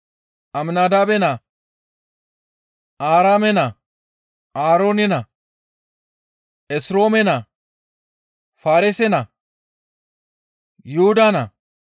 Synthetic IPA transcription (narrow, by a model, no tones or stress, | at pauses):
ɐmnaːd̪aːbɛnɐ | ʔaːɾaːmɛnɐ | aːɾoːnɛnɐ | ɛsɾo̞ːmɛnɐ | faːɾɪsɛnɐ | juʊd̪anɐ